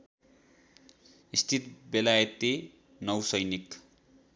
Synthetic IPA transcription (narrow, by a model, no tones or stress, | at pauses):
ist̪ʰit̪belajt̪e | nʌwsʌjnik